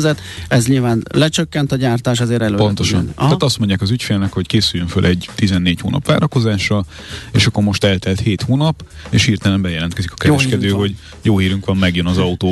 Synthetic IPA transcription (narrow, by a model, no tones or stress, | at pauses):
zɛt̪ | ɛzɲilvaːnlɛt͡ʃøkːɛnt̪ɒɟaːrt̪aːʃ̬ɛzeːɾɛløpo̞nt̪oʃɒ̰naːt̪ɒst̪moɲɟjaːkɒzycfeːlnɛkho̞ckeːsyjːøɱfø̰lʔɛɟt̪izɛnːeːcho̰ːnɒ̰pʋa̰ːɾɒko̞zaːʃrɒ | eːʃɒkːoɾmo̞ʃt̪ɛlt̪ɛlt̪heːt̪huːnɒp | eːʃhiːrt̪ɛlɛmbɛjɛlɛnt̪kɛzikɒ̥kɛɛʃkɛd̪øːho̞ɟ | joːhiːɾyŋkʋɒmːɛɡjønɒzɒut̪oː